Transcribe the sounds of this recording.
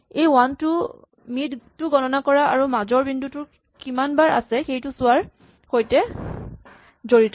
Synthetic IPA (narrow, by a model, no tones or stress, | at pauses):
ejwantʊ | mittʊɡɔnɔnakɔɹaaɹumazɔɹbindutʊ | kimanbaɹa̰sɛxejtʊsʊwaɹ | xojtɛ | zoɹitɔ